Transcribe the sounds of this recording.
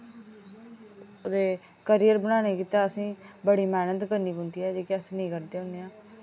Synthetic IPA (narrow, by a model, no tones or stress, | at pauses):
oːd̪eː | kəɾijəɾbənaːneːkiːt̪aːəsĩːbəɽiːmɛːnət̪kəɾniːbə̃nd̪iːɦɛːd͡ʒeːkɪəsnəĩːkəɾd̪eːʊneãː